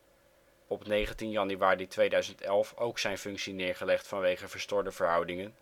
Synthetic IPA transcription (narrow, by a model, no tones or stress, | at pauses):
ɔpnejχəntinjɑnyʋaːritʋejdœɥzəntɛlˠfowksɛjnfɵŋksinɪːɹχəlɛχtfɑnʋejχəvəɹstɔɹdəvəɹɦɑwdɪŋən